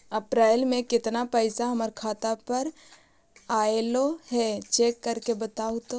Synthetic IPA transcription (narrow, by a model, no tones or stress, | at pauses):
ɐpɾaːɪlmẽkɪt̪napɛɪsaɦɐməɾkʰaːt̪apɐɾ | aːeloɦɛt͡ʃeːkːɐɾkebɐt̪aːut̪o